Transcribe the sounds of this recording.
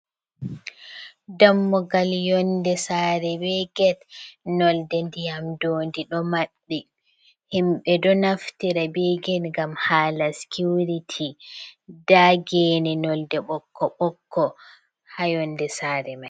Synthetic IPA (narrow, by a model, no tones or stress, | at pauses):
damːɔɡaljɔndɛsaːɾɛbɛɡɛtnɔldɛndijamdoːndiɗɔmaɗːi | himɓɛdɔnaftiɾabɛɡɛnŋɡamhaːlaskuɾitʰi | daɡɛːnɛnɔldɛɓɔkʰːɔɓɔkʰːɔ | hajɔndɛsaːɾɛmaj